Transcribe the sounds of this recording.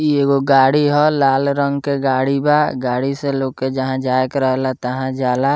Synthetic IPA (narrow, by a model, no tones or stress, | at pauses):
ieɡoɡaːɽiɦɔlaːlɾə̃ŋɡkeɡaːɽibaɡaːɽiseloːɡked͡ʒəɦãd͡ʒaːjkɾəɦlat̪əɦãd͡ʒaːla